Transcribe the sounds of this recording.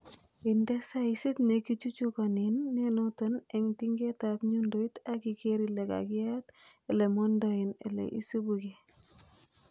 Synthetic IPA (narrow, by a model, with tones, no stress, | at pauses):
i˨ndɛ˦sa˦isi˦tne˨ki˦t͡ʃu˦t͡ʃu˦ka˨ni˨nːe˦notɔ˦nɛ˨ŋti˦ŋɡe˦ta˨pɲu˦ndo˦i˦ta˦ki˨ke˦ɾi˨le˨ka̰˨kɪ˦a˦t | ɛ˨lɛ˨mɔ˦ndɔ˦i˨nɛ̰˨lɛ̰˨ʔḭ˦si˦bu˨ke˨